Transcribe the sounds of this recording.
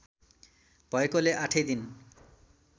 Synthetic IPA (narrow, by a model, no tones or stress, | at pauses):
pɔekoleʔaʈʰed̪in